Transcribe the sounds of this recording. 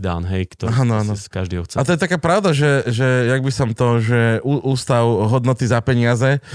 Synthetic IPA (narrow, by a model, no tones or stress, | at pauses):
d̪a̰nɦɛjkt̪ɔɦanɔanɔ̥kaʒd̪iːɦɔxt͡sɛat̪ɔjɛt̪akaːpɾaʊd̪aʒɛʒɛjaɡ̚bisɔmt̪ɔʒɛuʔuːst̪aʊɦɔd̪nɔt̪izapɛɲɪazɛ